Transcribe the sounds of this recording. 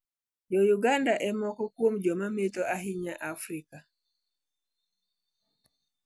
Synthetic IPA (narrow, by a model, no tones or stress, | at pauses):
jɔjuɡandaʔɛmɔkɔkwomd͡ʒɔmametoʔaɦiɲaʔafɾika